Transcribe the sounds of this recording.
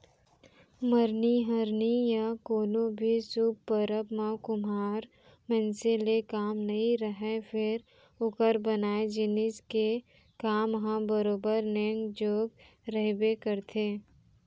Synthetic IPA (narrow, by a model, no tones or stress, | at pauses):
məɾniɦəɾnijakoːnõbʱisʊb̚pəɾəbmãkʊmaːɾ | mɛ̃nselekaːmnɐɦĩɾəɦefʰɪɾ | ʊkəɾbənaːed͡ʒɪnɪske | kaːmɦãbəɾoːbəɾnẽːŋɡd͡ʒoːɡ | ɾəɦbekəɾt̪ʰeː